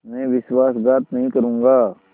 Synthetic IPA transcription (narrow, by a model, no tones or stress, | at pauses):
mɛ̃ːʋɪʃwaːsɡaːt̪nɐɦĩkɐɾũːŋɡaː